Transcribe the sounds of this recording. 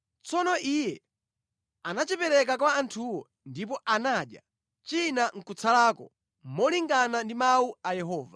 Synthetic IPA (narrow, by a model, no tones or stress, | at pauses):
t͡sɔnɔʔijɛ | anat͡ʃipɛɾɛkak̬waːntʰuwɔ | ndip̬ɔʔanaɗja̰ | t͡ʃinaŋ̩kut͡salaːkɔ̰ | mɔliŋɡanandimauajɛɦɔːva